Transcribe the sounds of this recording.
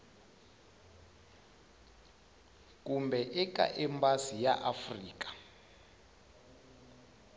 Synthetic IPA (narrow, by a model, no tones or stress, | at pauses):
kumbɛʔɛka̰ʔɛmbasijaʔafriːkḁ